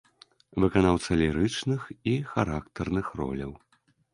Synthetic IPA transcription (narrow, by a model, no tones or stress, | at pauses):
vɨkanawt̪sɐlʲiɾɨt͡ʂnɨxixaɾakt̪ɐrnɨxrɔ̰lʲɐ̰w